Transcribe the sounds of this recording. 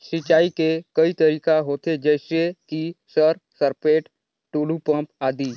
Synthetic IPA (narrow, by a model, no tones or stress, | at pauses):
sɪt͡ʃaːikekɐit̪əɾiːkaɦoːt̪ed͡ʒɛːsekisəɾsəɾpeːʈ | ʈuːlupə̃mpaːd̪iː